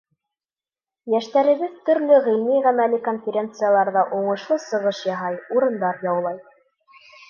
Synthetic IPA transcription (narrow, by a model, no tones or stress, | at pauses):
jæʃt̪æɾɘ̆βɘðt̪ɵ̆ɾlɵʁĭlniʁæmælikonfʲɪɾʲe̞nt̪sɨjalˠɑɾðɑʔuɴɤ̆ʃlˠosɤ̆ʁɤʃjɑɦɑjuɾɤ̆nd̪ɑɾjɑwlˠɑj